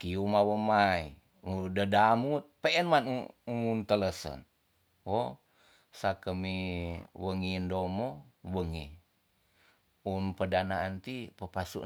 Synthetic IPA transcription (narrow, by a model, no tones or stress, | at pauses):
kiumawəmai | udədamut̪̚peɛnmanuumunt̪ələsə̰n | wo | sakəmiwəŋindomowəŋi | unpədanaːnt̪ipəpasṵʔ